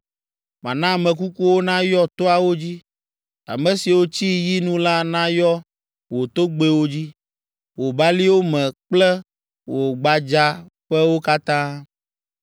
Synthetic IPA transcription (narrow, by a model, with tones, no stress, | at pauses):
mã̰˨nã˦˨mɛ̃˨k̬u˦ku˦wo˦nã˦jɔ˦t̪o˦a˨wo˦d͡ʑi˦ | a̰˨mɛ̃˨si˨wo˦t͡ɕi˦ji˦nũ˦la˦nã˦jɔ˦ | wo˨t̪o˦ɡ͡be˦wo˦d͡ʑi˦ | wo˨ba˦li˦wo˦mɛ̃˨k͡plɛ˦ | wo˨ɡ͡ba˨d͡ʒa˦ | ɸɛ˦wo˦ka˦t̪ã˦